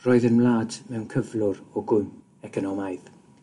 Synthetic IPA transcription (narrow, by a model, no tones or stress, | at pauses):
rɔːɨðənmlˠaːdmɛwnkʰəvlˠʊrɔɡʊm | ɛkʰɔnɔmaɨð